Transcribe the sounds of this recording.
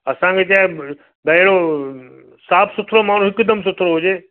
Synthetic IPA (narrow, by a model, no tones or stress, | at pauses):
ɐsãkʰeːt͡ɕaː | bɐɪɽ̃o | saːpʰsʊt̪ʰɾomaːn̤ũɦɪkd̪əms̬ʊt̪ʰɾoɦʊd͡ʑeː